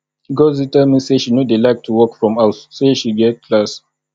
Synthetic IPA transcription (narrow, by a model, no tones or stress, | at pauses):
ɡozitəmĩseʃinodelaɪk̚tʰuwɔkfɹɔ̃masseʃiɡɛt̚kʰlas